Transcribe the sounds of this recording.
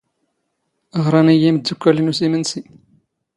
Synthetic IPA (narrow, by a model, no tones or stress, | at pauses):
əʁɾˤɑnijiməd̪ːukʷːælinusimənsi